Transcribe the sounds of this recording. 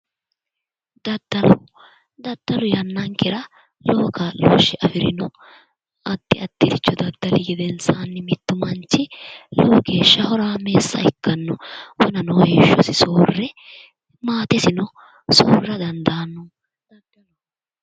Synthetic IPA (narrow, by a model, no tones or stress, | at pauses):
d̪ɐd̪ːɐlʊ | d̪ɐd̪̥ːɐlʊjɐnːɐŋkɪɾɐ | loːkalo̰ːʃːɪʔɐfɪɾɪnɔ | ɐt̪ːɪɐt̪ːɪt̪ɪt͡ʃːɔd̪ɐd̪ːɐlɪɡɪd̪ɛnsaːnːɪmɪt̪ːʊmɐnt͡ʃːɪloːɡe̞ːʃːɐhɔɾaːme̞ːsːɐ̰ɪkːɐnːɔwɔnɐnɔweʃːɔsɪsoːrːɛ | maːt̪ɛsɪnɔ | soːrːɐd̪ɐnd̪aːnːʊ